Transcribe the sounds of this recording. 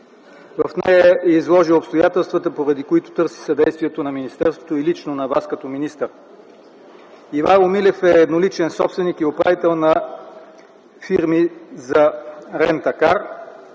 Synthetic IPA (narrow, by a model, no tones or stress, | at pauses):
vɐ̰fnɛjəɛizlˠɔʒiopst̪ojat̪ɛlˠst̪vɐt̪əpoɾɐd̪ikoit̪ʊ̥t̪ɤɾsi̥sɐd̪ɛjst̪viɛt̪onɐminist̪ɛɾst̪vo̥t̪oilit͡ʃnonɐvaskɐt̪ɔminist̪əɾ | ivanomilɛfɛːd̪nolit͡ʃɛnsɔ̰psvɛnikiopɾa̰vit̪ɛlˠnɐ | fiɾmizɐɾɛnt̪ɐkaɾ